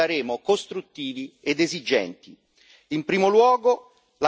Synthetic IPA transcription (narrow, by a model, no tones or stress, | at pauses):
aɾeːmokost̪ɾut̪ːiːvied̪ezid͡ʒːɛ̰nt̪i | impɾiːmolwɔːɡo | la